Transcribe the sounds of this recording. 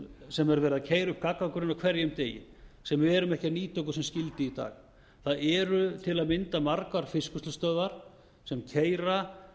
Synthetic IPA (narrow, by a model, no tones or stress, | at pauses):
sɛmɛɾvɛːɾɪðacʰeːjɾʏhp̚kakːakʏɾɪnawkʰvɛɾjʏmt̪eːjɪ̰sɛmɛɾʏmɛhcaniːt̪owkʏ̥sɛmscɪlt̪ɪit̪a̰ːx | θaðɛɾʏt̪ʰɪlaðmɪnt̪amaɾkvaɾ̥fɪskʏst̪ʏst̪œːððaɾ̥ | sɛmcʰeːjɾa